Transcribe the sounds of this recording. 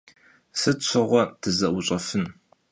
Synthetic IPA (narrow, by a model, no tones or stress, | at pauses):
sɨtɕʷʰɐʁʷɔtʰɨzɐʔwʊɕʼɐfɨn